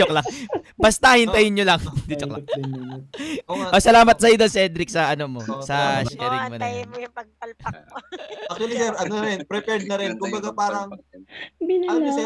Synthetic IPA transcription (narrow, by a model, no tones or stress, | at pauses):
ok̚laŋbɐst̪ahɪnt̪ɐjɪnɲolɐŋd̪ɪd͡ʒok̚la̰ŋ | osɐlaːmɐt̪̚sɐjod̪o̞nsiʔɛd̪ɾɪk̚sɐʔɐnomo̞sɐsɛɾɪŋmonɐpɐɡ̚pɐlɐ | ʔɐkt̪wɐlisɛɾʔɐnonɐɾɛnpɾɛpɛɾd̪̚nɐɾɪnkʊmbɐɡapaːɾɐŋ | binɐsɐ